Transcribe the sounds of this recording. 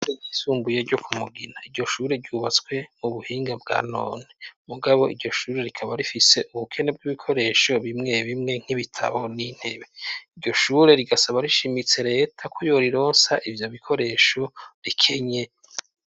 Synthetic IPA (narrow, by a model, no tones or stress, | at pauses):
ɾeɟiːsuːmbuje̞ɾɟo̞kʰumuɡinaiɾɟo̞ʃuːɾe̞ɾɟuːβat͡skwe̞muβuhiːŋɡabɡa̰ːno̞̰ːnemuɡaβo̞iɾɟo̞ʃuːɾe̞ɾikʰaβaɾifise̞ʔuβukʰe̞ne̞b̚ɡiβikʰo̞ɾe̞ʃo̞βimŋe̞βimŋe̞ŋ̥hiβitʰa̰βo̞nin̥he̞βe̞iɟo̞ʃuːɾe̞ɾiɡasaβaɾiʃimit͡se̞ɾe̞ːtʰakʰojo̞ɾiɾo̞ːnsaʔivjo̞βikʰo̞ɾe̞ːʃo̞ɾikʰe̞ɲe̞